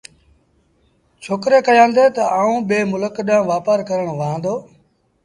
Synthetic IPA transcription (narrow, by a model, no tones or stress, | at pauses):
t͡ʃʰoːkɾeːkəjãːnd̪eːt̪əaːũːɓeːmʊləkɗãːʋaːpəɾkəɾəɳ̃ʋaãːnd̪oː